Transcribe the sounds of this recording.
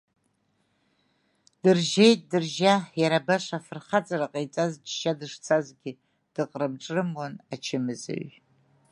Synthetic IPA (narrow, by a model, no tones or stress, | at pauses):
d̥ɨrʒejtʼdɨrʒajaɾabaʃʷafɨrχat͡sʼaraqʼejt͡sʼazd͡ʒʃadɨʂt͡sʰazɡʲɪ | d̥ɨqʼrɨmʈ͡ʂʼrɨmwɔnat͡ʃʰɪmɨzɨ̰ɥ